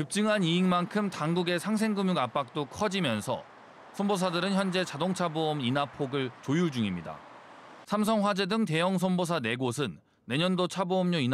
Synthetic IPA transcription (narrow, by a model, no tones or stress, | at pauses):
kɯp̚t͡ɕ͈ɯŋɦaniiŋmankʰɯmtaŋɡuɡe̞sʰaŋs̬ʰe̞ŋɡumjuɡap͈ak̚t͈okʰʌd͡ʑimjʌnsʰʌ̰ | sʰʌnbos̬ʰadɯɾɯnçjʌnd͡ʑe̞t͡ɕadoŋt͡ɕʰaboʌminapʰoɡɯɭt͡ɕojuɭd͡ʑuŋimɲida̰ | sʰams̬ʰʌŋɸwad͡ʑe̞dɯŋt̬e̞jʌŋs̬ʰʌnbos̬ʰane̞ɡosʰɯnː | e̞ɲʌndot͡ɕʰaboʌmɲoin